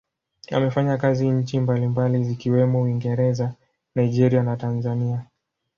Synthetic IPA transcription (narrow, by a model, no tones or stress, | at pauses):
a̰mɛfaɲakaziɲ̩t͡ʃimbalimbalizikiwɛmɔuiŋɡɛɾɛza | naid͡ʒɛɾianatanzania